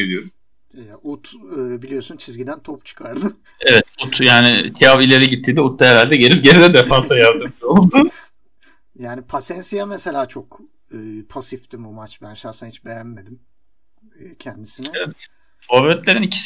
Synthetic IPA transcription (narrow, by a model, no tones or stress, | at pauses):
edijoɾum | jaʔut̪ɯːbilʲijo̞sunt͡ʃʰizɟid̪ænt̪ʰopt͡ʃʰɯ̥kʰaɾd̪ɯ | evɛt̪ut̪ʰjaːnɪt̪ʰijavilʲe̞ɾɛɟit̪ʰːiːnd̪ɛut̪ʰːaeɾalʲd̪ɛɟelʲip̚ɟeɾid̪ɛd̪ɛfansajaɾd̪ɯmold̪u | jaːnipʰasɛnsijamese̞lʲaːt͡ʃʰo̞k | ɯːpʰasift̪imbumat͡ʃbænʃasɯnahit͡ʃbejænme̞d̪im | ɯːcʰɛnd̪isinɛevɛt̪ | vavɾɛt̪lʲeɾinicʰi̥s